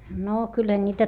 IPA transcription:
noː kylːæ nʲiːtæ

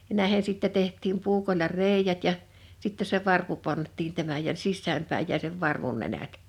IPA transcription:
jɑ næˑehen̞ siˑtːɛ tehtˑiːm puːkolˑɑ reˑi̞jæt jɑ sitːe se ʋɑrpu pɑntˑiːn tæmæj jɑ sisːæːm pæij jæi seʋ ʋɑrʋun nenæt

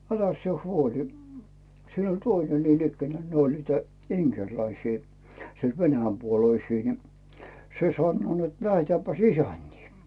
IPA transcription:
ælæs sĭe huoli siːn olʲ tøine niːn ikːænæː ne olʲ niːtæ iŋkerlæisiː sield̥ ʋenæjæmpuoloisiː ni se sɑnːoː net læhetæːpːæs isæntʲiː

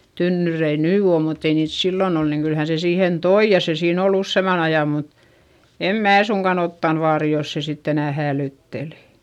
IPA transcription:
tynːyrei nyː o mutː ei niːt silːon ol niːŋ kyl hæ se siːhen toi jɑ se siːn ol usːeˑmɑn ɑjɑ mut em mæː suŋkɑn otːɑn ʋɑːri jos se sitː enæˑ hæːlyˑtːeli̥

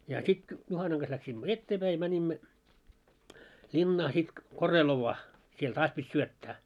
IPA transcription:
jɑ sit juhɑnɑŋ ɡ̊ɑs læksimːø etːeːpæi jɑ mænʲimːø lʲinːɑː sit koreloʋːɑː siel tɑːs pitʲ syøtːæː

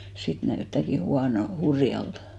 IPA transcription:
sit næytːæˑki huɑnol hurjɑltɑ̥

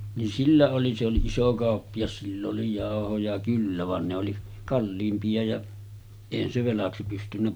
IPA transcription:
nin silːæ oli se oli iso kɑˑopːijɑs silː oli jɑˑohojɑ kylːæ ʋɑn ne oli kɑlːiːmpiɑ jɑ eˑihæn se ʋelɑksi pystynːæ

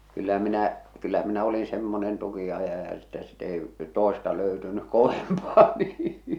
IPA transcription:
kylːæ minæ kylːæ minæ olin semːonen tukiɑjɑjɑ etːæ sit ei toˑestɑ løytynyk̆ koʋempɑː niː

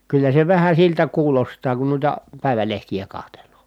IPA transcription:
kylːæ se ʋæhæ siltæ kuːlostɑː kun nuitɑ pæˑi̯ʋælehtijæ kɑhtelˑoː

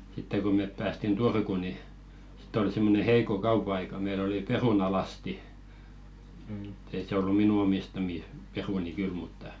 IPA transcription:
sitːe ko meˑp pæːstin turku ni si̥tˑ oli simːone heiko kɑupɑ̆ɑikɑ meil oli perunɑlɑsti m̩̆t ei se olːu minu omistɑmiˑ peruni kyl mutːɑ

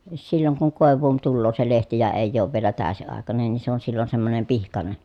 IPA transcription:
silːoŋ kuŋ koˑeʋˑuːn tulːoː se lehti jɑ eˑi̯jˑ oːʋ ʋielæ tæˑøsiɑˑekɑnen nin se on silːon semːonem pihkɑne

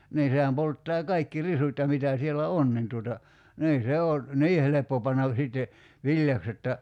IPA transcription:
niː sehæm poltːɑː kɑikːi risut jɑ mitæ sielæ on nin tuotɑ niː se oː niː helepːo pɑnːɑʋ siˑtːe ʋilʲjɑks jotːɑ

